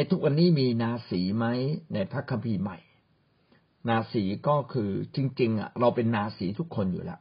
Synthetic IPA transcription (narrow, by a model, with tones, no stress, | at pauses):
a˧jt̪ʰu˦˥k̚wa˧nːiː˥˩miː˧naː˧siː˩˦ma˦˥jna˧jpʰa˦˥kʰːa˧mpʰiː˧ma˨˩j | naː˧siː˩˦kɔː˥˩kʰɯː˧t͡ɕi˧ŋt͡ɕi˧ŋʔa̰˨˩ɾa˧wpe˧nːaː˧siː˩˦t̪ʰu˦˥kʰːo˧njṵː˨˩lɛ̰˦˥ʔ